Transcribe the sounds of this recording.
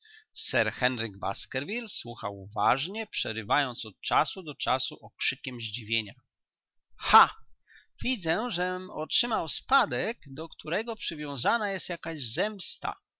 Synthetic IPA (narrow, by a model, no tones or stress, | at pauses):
sɛɾxɛnɾɘɡba̰skɛɾvʲilswuxawvaʐɲɛpʂɛɾɘvajɔnt̪sɔt̪̚t͡ʂasud̪ɔt͡ʂasuʔɔkʂɘkʲɛmʑd͡ʑivʲjeɲa | xa | vʲid̪zɛʐɛmɔtʂɘmawspad̪ɛɡd̪ɔkt̪uɾɛɡɔpʂɘvʲjɔ̃w̃zanajɛst̪jakaʑzɛmst̪a̰